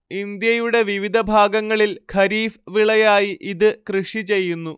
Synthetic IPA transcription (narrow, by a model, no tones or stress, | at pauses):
ind̪jɐjuɽe̞ʋiʋid̪ʱɐbʱaːɡɐŋːɐɭilkʰɐɾiːfʋiɭɐjaːjiʔiðɨkrɨʂit͡ɕe̞jːunːu